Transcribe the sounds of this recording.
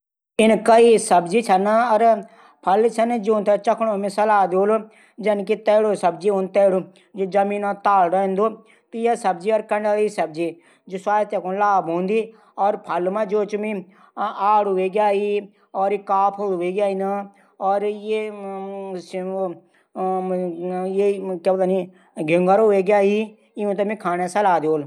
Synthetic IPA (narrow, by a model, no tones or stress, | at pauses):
ɪnkaisɐbd͡ʒit͡ʃʰɐnaɔɾ | pʰɐlt͡ʃʰɐnd͡ʒõːnt̪ʰet͡ʃɐkʰɽõːmẽsɐlaːd̪oːlo | d͡ʒɐnkit̪ɛːɽoːsɐb̚d͡ʒiʊnt̪ɛːɽu | d͡ʒod͡ʒɐmiːnãt̪aːlɾə̃ːnd̪oː | t̪ijasɐbd͡ʒiɔɾkɐɳɖaisɐb̚d͡ʒi | d͡ʒusaːjt̪ekonlaːbɦõːnd̪iː | ɔːɾpʰɐlmãːd͡ʒoːt͡ʃmĩ | aːɽʋeɡjaːɦi | ɔːɾkaːpʰolʋeːɡjaːina | ɔːɾje | s | jekabd̪ani | ɡʱɪŋɡəɾoʋeɡɪjaːɦi | iũt̪̬ɐmĩkʰaːnesɐlaːd̪oːl